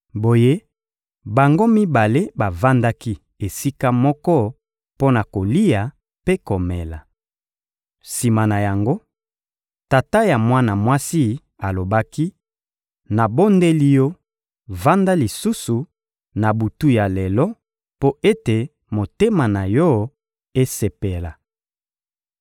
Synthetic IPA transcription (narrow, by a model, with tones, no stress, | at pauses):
bo˨je˦ | ba˨ŋɡo˦mi˦ba˨le˦ba˨va˦nda˦ki˦ | e˨si˦ka˦mɔ˦kɔ˦ | po˦na˨ko˨li˦ja˨ | pe˦ko˨mɛ˨la˨ | si˨ma˨na˨ja˨ŋɡo˦ | ta˨ta˦ja˨mwa˦na˨mwa˦si˦ | a˨lo˨ba˦ki˦ | na˨bo˦nde˦li˦jɔ˦ | va˦nda˦li˨su˦su˨ | na˨bu˨tu˦ja˨lɛ˨lɔ˦ | po˦e˦te˨ | mo˨te˦ma˨na˨jɔ˦ | e˦se˨pe˨la˨